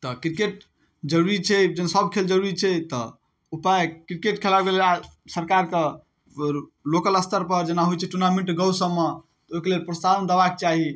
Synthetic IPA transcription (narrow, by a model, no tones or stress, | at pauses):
t̪ɔkɾikeʈ̚ | d͡ʒəɾuɾit͡ʃʰɛd͡ʒənsəbkʰeld͡ʒəɾuɾit͡ʃʰɛt̪ɔ | upajkɾikeʈkʰelakelelasəɾkaɾke | lokələst̪ʰəɾpəɾd͡ʒenaɦojt͡ʃʰɛʈunamẽɳʈɡəwsəmːe | t̪oɦikelelpɾəst̪aɾənd̪əbak̚t͡ʃaɦi